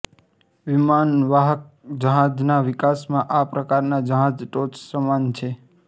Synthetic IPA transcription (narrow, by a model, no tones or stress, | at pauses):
ʋimanʋaɦək̚ | d͡ʒəɦãd͡ʒnaʋɪkasmãʔapɾəkaɾnad͡ʒəɦãd͡ʒʈot͡ʃsəmant͡ʃʰe